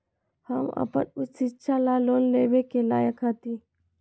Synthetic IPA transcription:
həmə̰pə̰nʊt̪sɪtːʃʰalaloːnleːbekela̰ːjəkɦət̪i

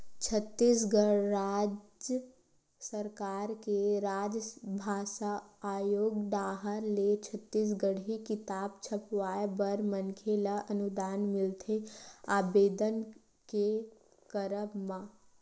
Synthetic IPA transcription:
t͡ʃʰət̪ːiːs̬ɡəɾaːd͡ʒə | səɾkaːɾkeɾaːd͡ʒbʱaːʃaaːjoːɡd̪aːɦəɾlet͡ʃʰət̪ːiːs̬ɡəɽikɪt̪aːbt͡ʃʰəpʋaːebəɾmənkʰelaʔɐnʊd̪aːnmɪlt̪ʰeaːbeːd̪ən | ke | kəɾəbmãː

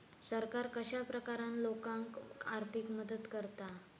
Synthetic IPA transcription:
səɾkaɾkəɕapɾəkaɾanlokãŋkaɾt̪ʰikməd̪ət̪kəɾt̪a

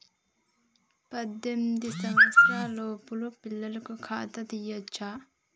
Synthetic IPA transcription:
pɐd̪ɐmd̪isɐʋɐsɾaːloːpulopilːɐlkokʰaːt̪ɐt̪ijɐt͡ʃʰa

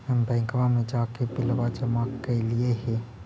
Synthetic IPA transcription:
əmbɛ̃ːŋkʋamẽd͡ʒaːkepɪlʋad͡ʒəmakːelieɦɛ̃

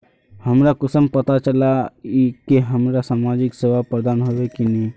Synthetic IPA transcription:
həmɾakʊsəmpət̪at͡ʃəlaikeɦəmɾasaːmad͡ʒɪkseʋapɾəd̪aːnɦoʋekine

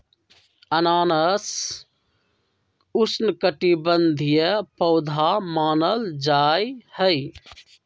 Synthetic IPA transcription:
ənaːnəs | ʊsnkəʈibənd̪ʱijəpəʊd̪ʱamaːnəld͡ʒaːjhəj

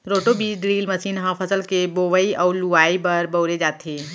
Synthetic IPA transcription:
ɾoːʈobiːɖɾiːlmɐsiːnɦãpʰɐsəlkeboːʋəiʔɔːɾluaːibɐɾbɐʊɾed͡ʒaːt̪ʰeː

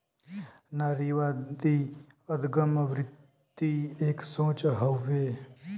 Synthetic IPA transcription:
naɾiʋad̪i | əd̪ɡəməʋɾɪt̪ː | ieːksõːt͡ʃɦəʋːe

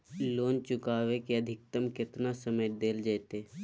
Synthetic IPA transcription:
loːnt͡ʃʊkaːʋekiɐd̪ʱɪk̚t̪əmkɪt̪nasəməjd̪eːld͡ʒajt̪eː

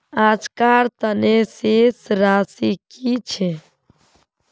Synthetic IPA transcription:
ad͡ʒkaɾt̪ənesesɾasikit͡ʃʰe

